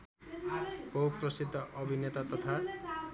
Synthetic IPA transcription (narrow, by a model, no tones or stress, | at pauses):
pʌuk̚prʌsid̪ʱːʌʔʌbʱinet̪at̪ʌt̪ʰa